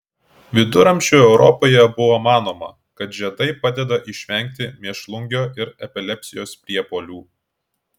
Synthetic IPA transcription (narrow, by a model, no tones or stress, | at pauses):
ʋʲɪd̪ʊɾɐmʲʃʲuːɛʊɾɔpoːjɛbʊʋoːmɑːnoːmɐ̰ | kɐt̪ʒʲɛd̪ɐɪpɑd̪ʲɛd̪ɐʔɪʃʲʋʲɛŋʲˑk̚t̪ʲɪmʲiɛʃlˠʊŋʲɡʲoːʔɪɾɛpʲɛlʲɛpʲsʲɪjoːspʲɾʲiɛpoːlʲuː